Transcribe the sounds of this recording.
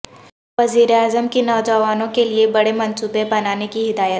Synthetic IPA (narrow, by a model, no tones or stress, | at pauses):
ʋɐziːɾeaːzəmkinɔːd͡ʒɐʋaːnõkeliebɐɽemɐ̃nsuːbebɐnaːnekiɦɪd̪aːjət̪